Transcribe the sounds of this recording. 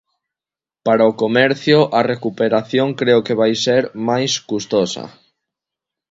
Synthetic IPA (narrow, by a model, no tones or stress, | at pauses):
paɾaokomɛɾθjʊʔarekupeɾaθjoŋkɾeʊkeβajseɾmajskust̪osɐ̰